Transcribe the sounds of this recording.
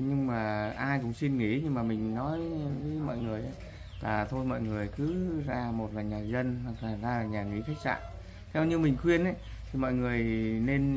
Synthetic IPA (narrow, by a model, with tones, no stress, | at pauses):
ɲɨ˧ŋmaː˨˩ʔaː˧jkʊ̰˧˥ŋ͡msi˧nŋḭ˧˥ɲɨ˧ŋmaː˨˩mï˨˩ŋ̟nɔ˨˦jvi˨˦mɔ̰˧˨jŋɨ˨˩əjʔə˨˦ | laː˨˩t̪ʰo˧jmɔ̰˧˨jŋɨ˨˩əjkɨ˨˦zaː˧mo˨˩t̚laː˨˩ɲaː˨˩zə˧nɦwa˨˩k̚laː˨˩zaː˧laː˨˩ɲaː˨˩ŋḭ˧˦xa˦˥jk̚sa̰ː˧˨n | kɛ˨˦wɲɨ˧wmï˨˩ŋ̟xwi˧ənʔə˨˦j | t̪ʰi˨˩mɔ̰˧˨jŋɨ˨˩əjne˧n